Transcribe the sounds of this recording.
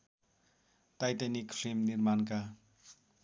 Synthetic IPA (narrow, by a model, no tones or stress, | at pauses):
tajtanikpʰɾemniɾmanka